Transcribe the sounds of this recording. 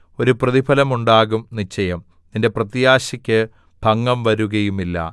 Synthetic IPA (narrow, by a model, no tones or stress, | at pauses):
o̞ɾuprɐðibʰɐlɐmuɳɖaːɣumnit͡ɕːɐjɐm | ninde̞prɐt̪ijaːɕɐkʲːɨ | b̥ʱɐŋːɐmʋɐɾuɣɐjumilːɐ̰